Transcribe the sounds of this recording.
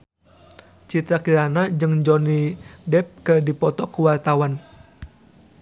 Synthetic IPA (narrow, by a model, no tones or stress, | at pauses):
t͡ʃit̪ɾakiɾanad͡ʒɨŋd͡ʒɔnidɛp̚kədipɔt̪ɔkuwart̪awan